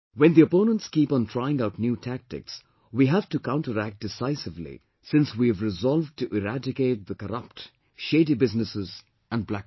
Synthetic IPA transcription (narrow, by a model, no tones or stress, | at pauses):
wɛ̃nd̪iəpõːnə̃nʈskiːpɔ̃ntʰɾaɪɪ̃ŋaʊtnjuːtʰæk̚tɪ̰ks | wiɦæv̥ʈukãʊ̃ɳʈəɾæk̚ʈ̚d̥ɪsaɪsɪvlḭ | sɪ̃nswiɨvɾɪzɔlˠv̚ʈuʔɪɾædɪkeɪt̚d̪əkəɾʌp̚t | ʃeɪdibɪznɨsɪz | æ̃n̚blæk